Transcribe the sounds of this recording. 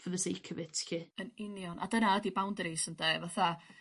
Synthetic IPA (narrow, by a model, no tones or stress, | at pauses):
vəðəsejkʰəvɪtʰɬiənɪnjɔnʔa̰dənaədibawndɾisəndevaθa